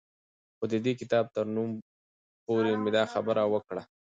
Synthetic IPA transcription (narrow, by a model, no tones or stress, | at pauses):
xod̪əd̪ekɪt̪ɑb̚t̪əɾnum | poɾemɪd̪ɑxabəɾawəkɽa